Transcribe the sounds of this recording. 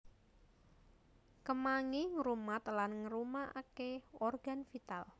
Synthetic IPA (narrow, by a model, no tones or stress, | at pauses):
kəmaŋiŋɾumat̪lanŋəɾumaʔa̰keɔrɡ̥a̤nfit̪al